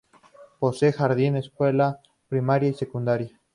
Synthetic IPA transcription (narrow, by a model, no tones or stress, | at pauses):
posexaɾðineskwela | pɾimaɾjaisekund̪aɾja